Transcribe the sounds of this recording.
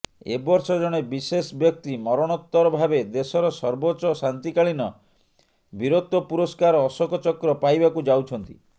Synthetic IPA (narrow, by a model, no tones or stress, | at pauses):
ḛbɔɾsɔd͡ʒɔɽ̃ebisesbjɔk̚t̪imɔɾɔɽ̃ɔt̪ːɔɾɔbʱabed̪esɔɾɔsɔɾbot͡ʃɔsant̪ikaɭinɔ | biɾot̪ːɔpuɾɔskaɾɔːsɔkɔt͡ʃɔkɾɔpajbakud͡ʒawt͡ʃʰɔnt̪i